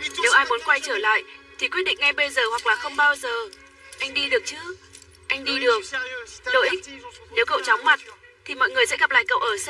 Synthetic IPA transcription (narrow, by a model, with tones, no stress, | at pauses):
ne˨˦wʔaː˧jmu˨˦ənkwa˧jt͡ɕəː˧˩la̰ː˧˨jʔt̪ʰi˨˩kwt̚ɗḭ̈˧˨ŋ̟ŋa˧jɓe˧jzəː˨˩hwa˨˩k̚laː˨˩xə˧wŋ͡mɓaː˧wzəː˨˩ | ʔa˧jŋ̟ɗi˧ɗɨ˨˩ək̚t͡ɕɨ˨˦ | ʔa˧jŋ̟ɗi˧ɗɨ˨˩ək̚lə̰˧˨ʔi˦˥k̚ne˨˦wkə̰˧˨wt͡ɕɔ˨˦wŋ͡mma˨˩t̚t̪ʰi˨˩mɔ̰ː˧˨jŋɨ˨˩əjsɛ̰˧˥ɣa˨˩p̚la̰ː˧˨jkə̰˧˨wʔəː˧˩s